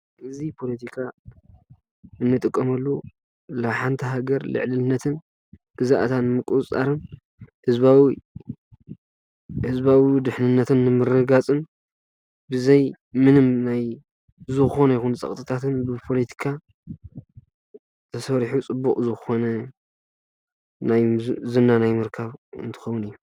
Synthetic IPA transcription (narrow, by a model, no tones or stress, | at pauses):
ʔɨzipʰo̞lɐt̪ʰikʰa | ɨnːɨt̪ʼɨkʼːɐmɐlːu | laβħant̪ʰɐɦaɡɐɾlɨ̰ʕlɨnːɐt̪ʰɨn | ɡ̥ɨzaʔt̪ʰanɨmɨkʼut͡sʼa̰ɾɨn | hɨzβawi | hɨzbawid̪ɨħnɨnːɐt̪ʰɨnːɨmɨrːɐɡat͡sʼɨn | bɨzɐj | mɨnɨmnaj | zɨxɨxo̞nɐjixunt͡sʼɐ̰χʼt̪ʼɨt̪ʰat̪ɨnbɨpʰo̞let̪ʰi̥kʰa | t̪ʰɐsɐɾħut͡sʼɨbːukʼzɨxɨxo̞nɐ | najzɨnːanajmɨɾkʰaβɨ̰nt̪ʰɨ̥xɐwʊnɨjːu